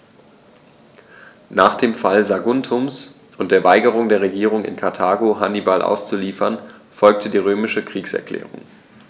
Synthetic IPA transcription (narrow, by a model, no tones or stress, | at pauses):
naːχd̥eːmfalzaɡʊntʰʊmsʔʊnt̚d̥eːɐvaɪɡəʁ̞ʊŋdeːɐʁ̞eɡiːʁ̞ʊŋɪ̰nkʰaɐtʰaːɡoɦanibalʔa̰ʊst͡suliːfɐn | fɔlk̚tʰədiːʁ̞øːmɪʃəkʁ̥iːksɛ̰ɐklɛ̰ːʁ̞ʊ̰ŋ